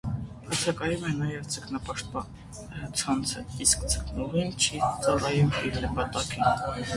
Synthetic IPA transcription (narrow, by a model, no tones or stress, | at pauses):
ɑt͡sʰɑkɑjumɛnɑjɛvt͡sʰəknɑpɑʃt̪̚pɑn | ət͡sʰɑnt͡sʰəiskt͡sʰəknɔʁint͡ʃʰit͡sɑrɑjumiɾləpɑt̪ɑkin